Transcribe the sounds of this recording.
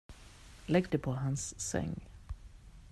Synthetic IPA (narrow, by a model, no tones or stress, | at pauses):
lɛɡd̪əpʰɔɦansːɛ̰ŋː